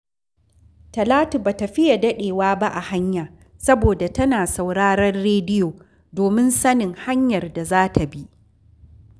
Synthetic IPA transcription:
tɐ˨laː˦tu˨baː˨tɐ˨ɸɪ˦ja˨dɐ˦ɗeː˨waː˦ba˦ʔa˨ha˦ɲjaː˨ | sɐ˦boː˨da˨tɐ˦naː˨sa˨wɽaː˦ɽɐ˦rːeː˦dɪ˦joː˨ | doː˨mɪ˦nsɐ˦nɪ˨ŋha˦ɲjɐ˨rda˨zaː˦tʰa˨bi˦ʔ

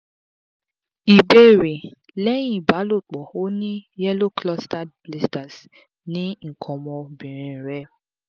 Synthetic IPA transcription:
i˨be˦˨ɾi˨ | le˦ɲĩ˦˨ba˨˦lo˦˨k͡pɔ˨o˦ne˦jɛ˦lo˦klɔ˦sta˦˨ | li˦sta˨s | nɪ̃˦ŋ̩˨kʰɔ˨mɔ˨bi˨ɾĩ˨n̩˨ɾɛ˦˨

